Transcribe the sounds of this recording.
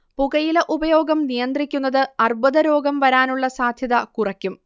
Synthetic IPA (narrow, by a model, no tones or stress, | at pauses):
puɣɐjilɐʔubɐjo̞ːɡɐmnijɐnd̪rikʲːunːɐðɨɐrbɐðɐɾo̞ːɡɐmʋɐɾaːnuɭːɐsaːd̪ʱjɐðɐkurɐkʲːum